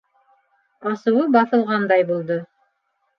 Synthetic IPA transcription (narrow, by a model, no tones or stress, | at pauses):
ɑsɤ̆wɤbɑθɤ̆lˠʁɑnd̪ɑjbulˠd̪o